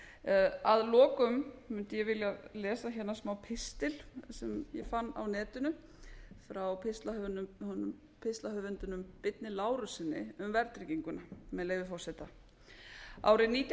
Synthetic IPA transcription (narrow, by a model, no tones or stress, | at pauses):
aðlɔːkʏmmʏnt̪ɪjɛvɪljalɛːsaçɛnːasmawpʰɪst̪ɪlsɛmjɛ̰fanːa̰wnɛːt̪ʏnʏ | fɾawpʰɪst̪lanhɔnʏm | pʰɪst̪lahœvʏnt̪ʏnʏmpɪt̪̚nɪlaːwɾʏsɪnːɪ̰ʏmvɛɾt̪ɾɪciŋkʏnamɛðleːjvɪfɔw̥sɛt̪a | a̰ːwɾɪniːt̪j